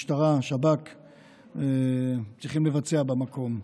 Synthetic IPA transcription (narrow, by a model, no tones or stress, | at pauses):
ʃtaʁaʃabak | et͡sʁiχimlevat͡seabamako̞m